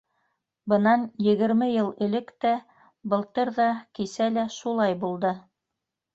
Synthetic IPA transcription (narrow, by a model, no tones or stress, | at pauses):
bɤ̆nɑnjɘ̆ɡɘ̆ɾmɘjɤlˠɘ̆lɘkt̪æ | bɤ̆lˠt̪ɤɾðɑkisælæʃulˠɑjbulˠd̪ɤ